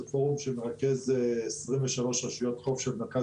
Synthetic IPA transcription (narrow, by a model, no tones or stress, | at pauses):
foʁumʃɛmeʁakɛzesʁimvəʃaloʃʁaʃujot̪χofʃɛlnaka